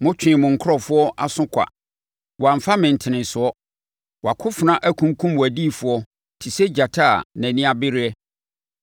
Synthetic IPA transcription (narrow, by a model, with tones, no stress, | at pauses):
mʊ̃˦t͡ɕᶣɪ̃˨mʊ̃˨ŋ̩˨kʰʊ˦ɾɔ˨fʊ˦ɔ˦ʔa˨sʊ̃˦kʷʰa̰˨ | wɔ˨a˨m̩˨fa˦mɪ̃˨n̩˨tʰɪ˨nɪ̃˨nsʊ˨˦ɔ˦ | wɔ˨a˨kʰʊ˦fʊ˨nã˦ʔæ˦kʰũ˦ŋkʰũ˦mwɔ˨æ˨di˦˨fʊ˨ɔ˦ | tʰi˨sɛ˦d͡ʑa˨tʰa˦˨næ̃˨nĩ˦a˦bɪ˦ɾɪ˦ɛ˦